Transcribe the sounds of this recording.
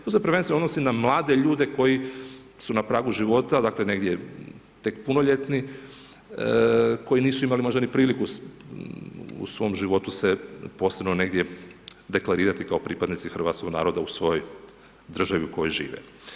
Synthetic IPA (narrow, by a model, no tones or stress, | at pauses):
t̪osepɾ̩ʋensʋenod̪nosinamlˠaːd̪e̞ʎuːd̪e̞ko̞ji | sunapɾaːɡuʒiʋo̞t̪ad̪akle̞ne̞ɡd̪je | t̪e̞kpunoʎe̞t̪ni | ko̞jiniːsuimalimo̞ʒd̪anipɾiːliku | ṵsʋo̞mʒiʋo̞t̪use̞posebnone̞ɡd̪jed̪e̞klˠaɾiːɾat̪ikao̞pɾipad̪nit̪sixɾr̩ʋaːt̪skoɡna̰ːɾo̞d̪ausʋo̞joj | d̪r̩ʒaʋiuko̞jojʒḭːʋḛ